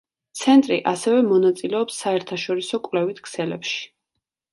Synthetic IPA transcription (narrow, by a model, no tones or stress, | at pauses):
t̪sʰɛnt̪ʼɾiʔasɛvɛmɔnat̪sʼilɛɔpsːaɛɾt̪ʰaʃɔɾisɔkʼwvlɛvit̪ʰkʰsɛlɛpʃi̥